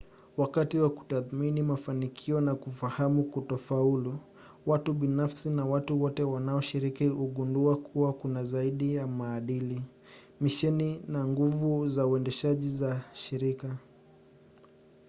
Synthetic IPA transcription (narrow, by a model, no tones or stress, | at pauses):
wakatiwaku̥taθminimafanikʰiɔnakufahamukutɔfaulu | watuɓinafsinawatuwɔtɛwanaɔʃiɾikihuɠunduakʰuwakunazaiɗijamaːɗili | miʃɛninaŋɡuvuzauɛndɛʃaʄizaʃiɾika